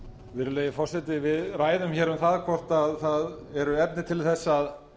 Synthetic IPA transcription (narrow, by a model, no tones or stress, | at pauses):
vɪɾleːjɪfɔr̥sɛt̪ɪvɪðraːjðʏmçɛːɾʏmθaðkʰɔr̥t̪aðθað | ɛɾʏɛp̚nɪt̪ʰɪlθɛsːað